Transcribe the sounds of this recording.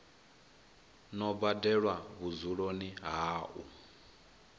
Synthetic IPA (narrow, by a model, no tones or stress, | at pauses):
nɔbbadɛɺwaβuzuɺoniɦaːʔu